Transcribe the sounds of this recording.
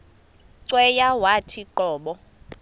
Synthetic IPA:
ǀwɛjawatʰiǃɔːɓɔ

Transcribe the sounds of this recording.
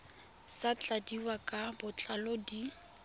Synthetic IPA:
sat͡ɬʼadiwakʼabʊt͡ɬʼalodi

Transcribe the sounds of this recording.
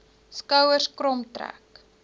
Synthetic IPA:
skəwərskrɾɔmtræ̰k

